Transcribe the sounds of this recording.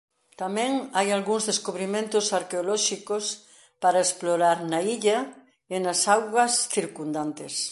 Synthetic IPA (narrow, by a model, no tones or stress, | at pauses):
t̪amɛ̃ŋajalɣuŋzðeskuβɾimẽnt̪osaɾkeolɔʃikos | paɾaesploɾaɾnaiʎa | enasawɣwɐsθiɾkund̪ant̪es